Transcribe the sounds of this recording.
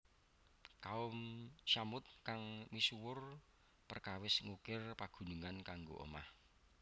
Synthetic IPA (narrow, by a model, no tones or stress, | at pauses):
kaʊmʃamʊt̪̚kaŋmisuwʊr | pərkawɪsŋukɪrpaɡ̥ṳnuŋankaŋɡo̰ʔɔ̰ma̰h